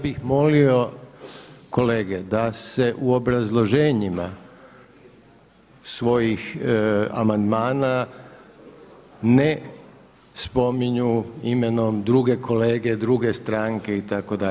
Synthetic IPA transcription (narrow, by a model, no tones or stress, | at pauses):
bixmo̞lio̞ | ko̞leːɡed̪ase̞ʔuo̞bɾazlˠo̞ʒeːɲima | sʋo̞jix | a̰mand̪maːna | ne | spo̞miɲuimeno̞md̪ɾuɡe̞ko̞le̞ːɡe̞d̪ɾuɡe̞st̪ɾaːŋke̞it̪ako̞d̪a